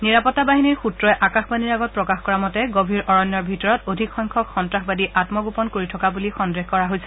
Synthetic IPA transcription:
niɹapɔtːabaɦiniɹxuttɹɔjʔakaxbadiɹaɡɔt̚pɹɔkaxkɔɹamɔtɛɡobʱiɹʔɔɹɔnjɔɹbʱitɔɹɔtodʱikxɔjŋkʰɔkxɔntɹaxbadiʔatmɔɡupɔnkoɹitʰɔkabulixɔndɹexkɔɹaɦojsɛ̥

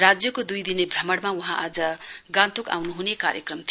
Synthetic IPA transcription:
rad͡zjʌkod̪ujd̪inebʱrʌmʌɽmawuɦãʔad͡zʌɡãnt̪ʰoka̰wnuɦunekaɾjʌkrʌmt̪ʰ

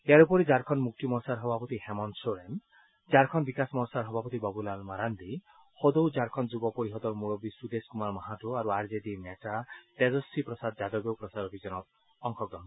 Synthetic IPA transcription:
eaɾupɔɾid͡ʒaɾkʰɔnmuk̚t̪imɔɾsaɾɦɔbapɔt̪ihemɔnsoɾem | d͡ʒaɾkʰɔnbikasmɔɾsaɾɦɔbʱapɔt̪ibɔbulalmaɾand̪i | hod̪owd͡ʒaɾkʰɔnd͡ʒubɔpɔɾiɦɔd̪ɔɾmuɭɔbisud̪eskumaɾmɔɦaʈuaɾuaɾd͡ʒed̪inetat̪ezɔsipɾɔsad̪̚d͡ʒad̪ɔɡjewpɾɔsad̪ɔbʱid͡ʒɔnɔk | ɔŋkʰɔɡɾɔn

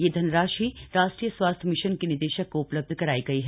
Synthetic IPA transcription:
jed̪ʱɐnɾaːʃiɾaːʃʈɾiːjəsʋaːst̪ʰəmɪʃənkinɪd̪eːʃəkːoʊpləb̚d̪ʱkɐɾaːiɡɐiɦ

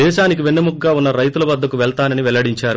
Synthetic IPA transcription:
ɛːʃaːnik̬iʋenːɐmukːaːunːɐɾɐjt̪ulɐʋɐd̪ʱːɐkuʋɛɭt̪aːnɐniʋɛlɐɽiɲt͡ʃaːɾu

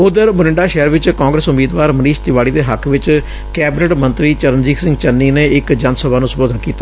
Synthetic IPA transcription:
ʊd̪əɾmʊnɪɳɖaːʃɛːɾʋɪt͡ʃkãːŋɡɾəsʊmiːd̪ʋaːɾməniːʃt̪ɪʋaːɽiːd̪eːɦəkʰʋɪt͡ʃ | kɛːbɪnəʈmə̃nt̪ɾiːt͡ʃəɾənd͡ʒiːksɪ̃ŋɡt͡ʃənːiːneːɪkd͡ʒənsəbaːnũːsəoːd̪ənkiːt̪aː

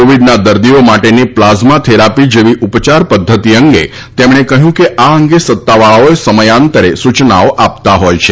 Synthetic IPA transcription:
oʋiɖnad̪əɾd̪iomaʈeniplazmat̪ʰeɾapid͡ʒeʋiʔupt͡ʃaɾpəd̪ʱːət̪iəŋɡe | t̪emɳ̃ekəɦjũkeʔaəŋɡesət̪ːaʋaɭaoesəməjant̪əɾesut͡ʃnaoʔapt̪aɦojt͡ʃʰe

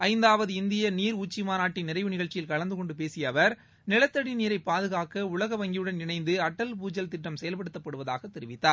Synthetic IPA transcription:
ɐɪnd̪aːʋɐðɯɪnd̪ɪjɐniːɾuːt͡ʃːimaːnaːʈːɪnːɪɾɐɪʋɯnɪɣɐɭt͡ʃːɪjɪlkɐɭɐnd̪ɯkɔɳɖɯpeːsɪjɐʋɐɾ | nɪlɐt̪ːɐɽiniːɾɐɪpːaːðɯɣaːkɐʊɭɐɣɐʋɐŋɡɪjɯɽɐnɪɳɐɪnd̪ɯɐʈːɐlp̬uːd͡ʒɐlt̪ɪʈːɐmsɛjɐlpɐɽɯt̪ːɐpːɐɽɯʋɐða̰ːɣɐt̪ːɛɾɪʋɪt̪ːaːɾ

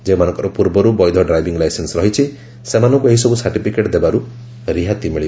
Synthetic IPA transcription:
d͡ʒẽmanɔ̃ŋkɔɾupuɾbɔɾubɔjd̪ʱɔɖɾajbiŋɡlajsensɾɔɦit͡ʃʰi | semanɔŋkueɦisɔbusaɾʈipʰikeʈd̪ebaɾu | ɾiɦat̪imiɭi

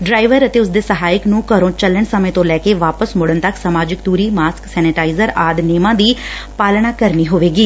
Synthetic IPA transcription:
ɖɾaːɪʋəɾət̪eːʊs̬d̪eːsəɦaːɪknũːkəɾõːt͡ʃələɳsəmẽːt̪õːlɛːkeːʋaːpəsmʊɽənt̪əksəmaːd͡ʒɪk̚t̪uːɾiːmaːsksɛːnɪʈaːɪzəɾaːd̪neːmãːd̪iːpaːlɳaːkəɾniːɦoːʋeːɡiː

